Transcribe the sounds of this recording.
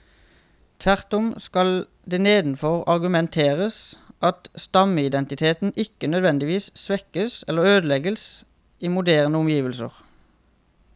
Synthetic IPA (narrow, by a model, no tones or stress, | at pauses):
t̪ʰʋæʁt̪ʊmskɑl | d̪eːneːd̪n̩fɔʁɑʁɡʉmɛnt̪ʰeːʁəsʔɑt̪st̪ɑməɪd̪ɛnt̪ɪt̪ʰeːt̪n̩ʔɪkənœd̪ʋɛnd̪ɪʋiːssʋɛkəsɛlːəʁøːd̪əlɛɡəs | iːmʊd̪æːʁnəʊmjiːʋəlsə̰ʁ